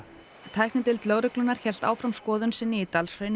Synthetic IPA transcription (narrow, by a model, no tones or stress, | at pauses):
t̪ʰaːjhknɪt̪ɪlt̪lœːɣɾʏklʏnaɾ̥çɛl̥t̪a̰ːwfɾamskɔːðʏnsɪnːɪit̪alsvœɥn